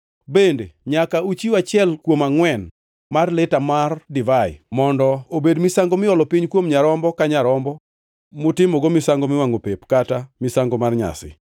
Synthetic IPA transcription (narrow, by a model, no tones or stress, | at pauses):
bendeɲakaut͡ʃiat͡ʃɪɛlkwomaŋwɛn | marlɪtamardɪvajɪ̰mɔndɔobedmɪsaŋɡomɪɔlɔpiɲkwomɲaɾɔmbɔkaɲaɾɔmbɔ | mʊtɪmɔɡomɪsaŋɡomɪwaŋopepkatamɪsaŋɡɔmarɲa̰sɪ̰